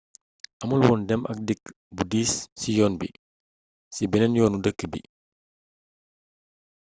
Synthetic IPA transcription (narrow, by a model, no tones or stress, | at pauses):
ʔɐmulwɔːndɛmʔɐ̰k̚dik | budiːsːijɔːnbḭ | sibɛnɛnjɔːnudəkːəbḭ